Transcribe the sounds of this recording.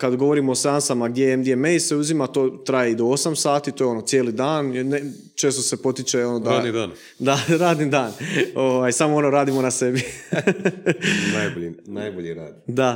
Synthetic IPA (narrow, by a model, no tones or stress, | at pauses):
kad̪ɡo̞ʋo̞ɾimoːseansamaɡd̪jejemd̪jemejse̞uzimat̪oːt̪ɾajeid̪o̞osamsaːt̪it̪o̞jeo̞no̞t̪sʲjeːlid̪aːnjene | t͡ʃe̞ːst̪o̞se̞po̞t̪it͡ʃeo̞nod̪aaːd̪nid̪aːn | d̪aɾaːd̪nid̪aːno̞ʋaːjsamoo̞no̞ɾaːd̪imo̞nase̞bi | najoʎinajboʎiɾaːd̪d̪a